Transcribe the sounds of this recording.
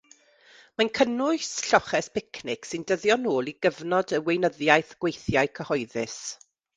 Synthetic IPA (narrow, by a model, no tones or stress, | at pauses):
mankʰənʊɨsɬɔχɛspʰɪkʰnɪksɪndəðjɔnoːlˠiɡəvnɔdəwejnəðjajθɡ̥wejθjaɨkʰəhɔjðɪ̰s